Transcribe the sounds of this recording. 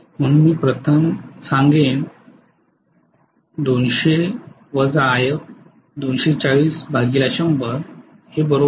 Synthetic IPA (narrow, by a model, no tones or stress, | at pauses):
m̤əŋmiːpɾət̪ʰəmsãŋɡen | d̪onɕe | ʋəd͡zaːjək̚ | d̪onɕet͡saɭiːsbʱaɡilaɕəũmbəɾ | hebəɾo